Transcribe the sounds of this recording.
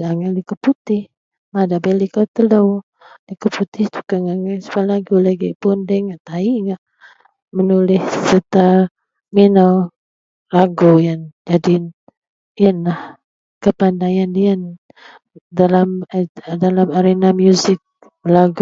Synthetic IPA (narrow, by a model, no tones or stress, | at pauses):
aŋaldikəput̪ɪh | madaʔbelikat̪əlow | dikəput̪ɪht̪u̥kaŋaŋasə̥palaɡulaɡipʊndəŋaʔt̪aiŋaʔ | mənulɪssət̪a | minaw | laɡujand͡ʒadi | jənlah | kəpandajandian | dalamdalamaɾenamjuzɪk̚ | məlaɡ